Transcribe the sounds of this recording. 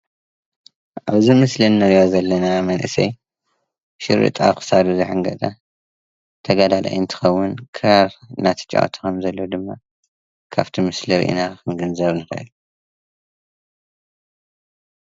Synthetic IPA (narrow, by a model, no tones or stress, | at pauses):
ʔaβzimɨslinːɐɾjozɐlːɐnamɐnʔɨ̰sɐj | ʃɪɾɨ̰t̪ʼa̰kʰɨ̥sad̪uzɨħɨŋɡɐt̪ʼa | t̪ʰɐɡad̪ala̰jɨnt̪ʰɨ̥xɐwːʊnkʰɾnat̪ʰɐ̥t͡ʃʼːa̰ʔo̰t̪ʰu̥kʰɐmzɐlːod̪ɨmːa | kʰa̰βt̪ʰimɨsliɾ̰ʔḭnakʰɨŋɡɨnzɐβnɨxɐ̰ʔɨ̰lu